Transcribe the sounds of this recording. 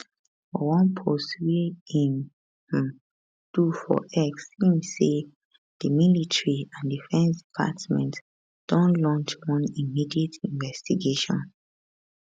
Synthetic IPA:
fɔwɔ̃npʰoswiĩn̩ | d̥ufɔ̰ʔɛksĩmse | d̥imilitʰɹiãndifɛ̃nsdipʰa̰tmɛ̰̃nt | d̥ɔ̃nlɔ̃nt͡ʃwɔ̃nimidietʰĩɱvɛstiɡeʃɔ̰̃n

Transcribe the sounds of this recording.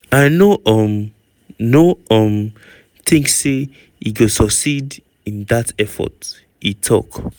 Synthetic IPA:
aɪnoʔɔm | noʔʌm | θĩŋksːe | iɡosɔksid | ĩnðatɛfɔ̰t | itʰɔ̰k

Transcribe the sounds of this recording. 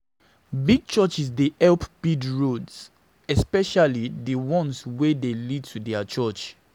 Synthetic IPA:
biɡ̚t͡ʃɔt͡ʃis̬deʔɛlpb̥idɹods | ɛspɛʃalidəwɔ̃nswedelid̚tʰudɛət͡ʃɜt͡ʃ

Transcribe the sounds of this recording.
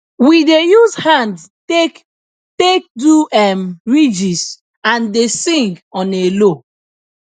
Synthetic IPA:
widejuzhãnd | ek | tek̚duɛmɹid͡ʒis | ãndesĩŋɡɔ̃nelo

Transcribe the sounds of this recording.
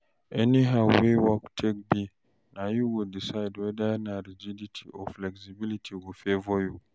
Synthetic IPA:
ʔɛniɦawewɔktʰekbi | najuwɪddisajdwɛdajnaɾid͡ʒiditʰiʔɔ̰fflɛksibilitʰiɡɔfevɔju

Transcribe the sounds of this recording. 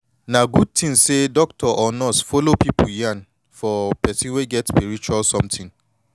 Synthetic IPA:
naɡud̚tʰĩnsedɔk̚tʰɔʔɔnɔsfɔlopipʰujãn | fɔpɛsĩnweɡɛtspiɹit͡ʃualsɔ̃mtʰĩn

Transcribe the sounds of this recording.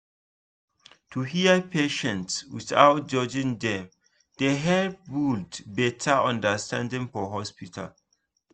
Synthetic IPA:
tʰuhiəpʰeʃɛ̃ntswḭθa̰wt̚d͡ʒɔd͡ʒĩŋdɛ̃m | d̥eɦɛlbuldbɛtʰaɔ̃ndəstãndĩŋfɔɦɔspitʰa̰l

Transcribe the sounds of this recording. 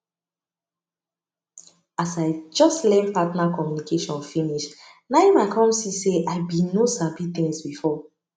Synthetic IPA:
asaɪd͡ʒɔstlɛ̃npatnakɔmjunikeʃɔ̃nfĩniʃ | naɪmaɪkʰɔ̃msiseʔaɪbinosabit̪ĩŋsbifɔ

